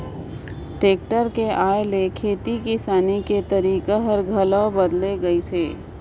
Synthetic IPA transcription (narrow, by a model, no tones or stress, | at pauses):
ʈeːk̚ʈəɾkeʔaːelekʰeːt̪ikisaːniket̪ɐɾiːkaɦɐɾɡʱɐləbɐd̪leɡɐiseː